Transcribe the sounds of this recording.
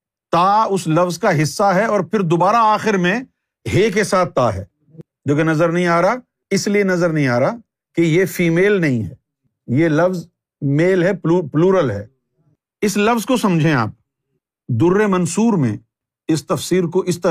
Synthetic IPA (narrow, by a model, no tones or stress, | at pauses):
t̪aːʊslɐfzkaɦɪsːaɦɛɔːɾpʰɪɾd̪oːbaːɾaaːxɪɾmẽ | ɦeːk̬esaːt̪̚ʰːaːɦɛ̰ː | d͡ʒoːkenɐzəɾnɐɦĩaːɾa | ɪslienɐzəɾnɐɦĩaːɾa | kejefiːmeːlnɐɦĩɦɛ̰ː | jelɐfz | meːlɦɛpluːɾəlɦɛ̰ː | ɪslɐfzkosɐ̃md͡ʒʱẽa̰ːp̚ | d̪ʊɾːemɐnsuːɾmḛ̃ | ɪst̪ɐfsiːɾkoʔɪst̪ɐ